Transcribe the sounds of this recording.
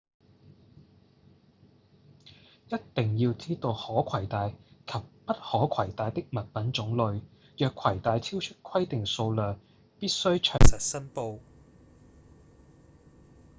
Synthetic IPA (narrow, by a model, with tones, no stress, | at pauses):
jɐ˥tt̪ɪ˨ŋjiː˧wt͡siː˥t̪o˧whɔː˨˥kʷʰɐ˨˩jt̪aː˨˧jkʰɐ˨p̚ːɐ˥t̚hɔː˨˥kʰɐ˨˩jt̪aː˨jt̪ɪ˥k̚mɐ˨t̚pɐ˨˥nt͡ʃʊ˨˥ŋlɵ˨˧ɥ | jœː˨kʰwɐ˨˩jt̪aː˨˧jt͡sʰiː˥wt͡ʃʰɵ˥t̚kʰwɐ˥jt̪ɪ˨ŋso˧wlœː˨˩ŋ | piː˥t̚sɵ˥ɥt͡ʃʰœː˨˩ŋsɐ˨t̚sɐ˥npo˧w